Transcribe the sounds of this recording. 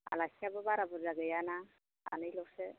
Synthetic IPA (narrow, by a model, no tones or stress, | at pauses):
a̰lasjabɔbaɾabuɾzaɡɛjana | a̰nɯjlɔksɛ